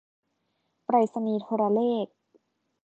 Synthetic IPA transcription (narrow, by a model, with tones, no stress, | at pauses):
pɾa˧˩jsa˧niː˧t̪ʰoː˧ɾaː˧leː˥˩k̚